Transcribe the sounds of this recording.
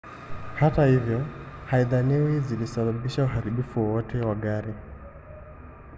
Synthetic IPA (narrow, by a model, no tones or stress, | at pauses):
hatahivjɔhaiðaniwizilisaɓaɓiʃauɦaɾiɓifuwɔwɔtʰɛwaɡaɾi